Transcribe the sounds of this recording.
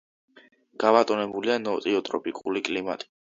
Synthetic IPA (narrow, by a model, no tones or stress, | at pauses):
ɡ̥abat̪ʼɔnɛbulianɔt̪ʼiɔt̪ʼɾɔ̰pʼikʼulikʼlima̰t̪ʼi̥